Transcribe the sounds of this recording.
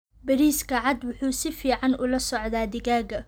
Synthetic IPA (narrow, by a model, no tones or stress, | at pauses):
bɐɾiːskʰɐʕɑd̪wʊħuːsɪfiːʕɑnʔʊlɐsɔʕd̪aːd̪ɪɣaːɡɐ